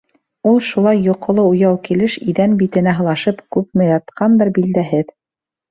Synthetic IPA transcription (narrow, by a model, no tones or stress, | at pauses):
ulˠʃulˠɑjːuqŏlˠɤujɑwkilɘʃḭðænbit̪ɘ̆næɦɤ̆lˠɑʃɤpkʉpmɘ̆jɑt̪qɑnbɘɾbild̪æɦɘð